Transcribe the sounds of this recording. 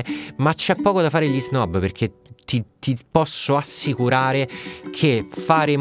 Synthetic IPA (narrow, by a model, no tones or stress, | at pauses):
mat͡ʃːɛpːɔːkod̪afːaːɾeʎiznɔbperk̟ʰet̪it̪ipɔsːoasːikuɾaːɾekʰefaːɾe